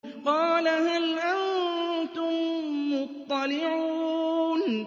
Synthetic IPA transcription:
qɑːlaɦalʔant̪ʊmːʊt̪ˤːɑlɪʕuːn

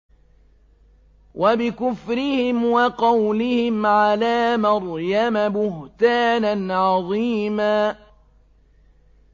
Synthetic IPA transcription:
wʔabɪkʊfɾɪhɪmwɑqɑwlɪhɪmʕalaːmɑɾˤjamabʊht̪aːnanʕɑðˤiːmaː

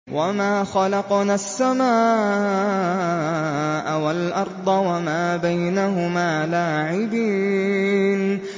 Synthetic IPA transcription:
wʔamaːxɑlɑqnasːamaː | ʔawalʔɑɾˤd̪ˤɑwamaːbajnaɦʊmaːlaːʕɪbiː | n

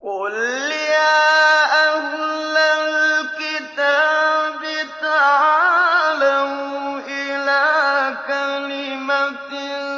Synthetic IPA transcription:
kolijaahlalkɪt̪abit̪aʕalamʔɪlaːkalɪmatɪ

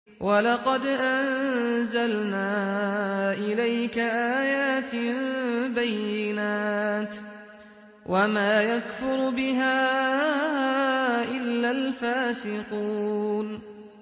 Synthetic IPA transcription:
wʔalɑqɑd̪ʔannzalnaː | ʔɪlajkaʔaːjaːt̪mbajːɪnaːt̪ | wʔamaːjakfʊɾbɪɦaː | ʔɪlːalfaːsɪquːn

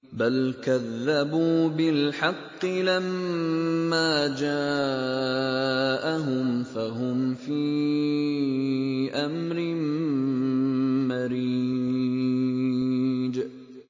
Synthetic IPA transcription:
balkaðːabuːbɪlħɑqːɨlamː | aːd͡ʒaː | ʔaɦʊmfaɦʊmfiː | ʔamɾɪn | maɾi | d͡ʒ

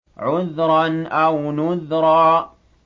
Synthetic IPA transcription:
ʕʊðɾˤɑnʔawnʊðɾˤɑː

